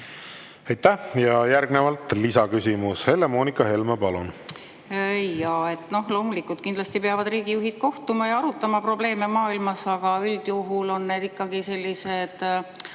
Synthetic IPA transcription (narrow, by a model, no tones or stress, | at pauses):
ejt̪ːæhjɑjæɾɡnevɑlt̪ˑlisɑkysimushe̞lːemo̞ːnikːˑɑɦe̞lmɑpɑlun | ejɑe̞t̪ːˑno̞hlo̞ːmulikːˑult̪kind̪lɑsʲt̪ipeɑvɑd̪riːɡ̥ijuɦid̪̥̚ko̞ht̪umɑjɑɑɾut̪ːˑɑmɑpro̞ble̞ːme̞mɑːilmɑsɑɡ̥ɑyld̪̥juɦulo̞nːe̞ːd̪ikːɑɡise̞lʲːise̞d̪̥